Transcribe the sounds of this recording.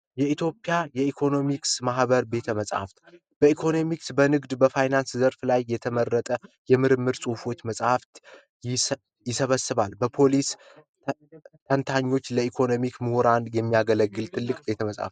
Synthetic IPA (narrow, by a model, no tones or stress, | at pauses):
jɛit̪ʰjo̞pʼjajɛikʰo̞no̞miksmahbəɾbe̞t̪ʰəməsʼha̰ft̪ | b̥əikʰo̞no̞miksbənɨɡd̪bəfajnanszəɾflajːɛt̪ʰəmərːət̪ʼəjɛmɨɾɨmːɨɾsʼufo̞t͡ʃːməsʼhaft̪ | j | jɪsəβəsːɨβalbəpʰo̞lis | t̪ʰənt̪ʰaɲːo̞t͡ʃːləikʰo̞no̞mikmɨhoɾanjɛmːijaɡələɡːɨlt̪ʰʼɨlːɨkʼbe̞t̪ʰəməsʼa̰f